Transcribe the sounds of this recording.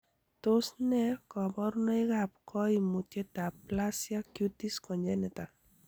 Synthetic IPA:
t̪osnɛkɔbɔɾnɔjɡap̚kɔimutet̪aplasjakjut̪iskɔɲd͡ʒanɛt̪a

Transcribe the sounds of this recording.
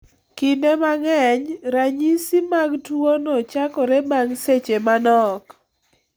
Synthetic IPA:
kindemaŋɛɲɾaɲisimaɡtwonɔt͡ʃakɔɾemaŋset͡ʃemanɔk

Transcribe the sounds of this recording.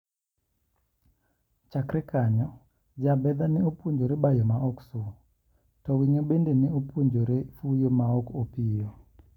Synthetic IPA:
t͡ʃakɾɛkaɲɔ | d͡ʒabɛd̪anɪopuɲd͡ʒoɾebajɔmaɔksu | tɔwiɲobendenɪopʰuɲd͡ʒoɾefujomaɔkopijɔ

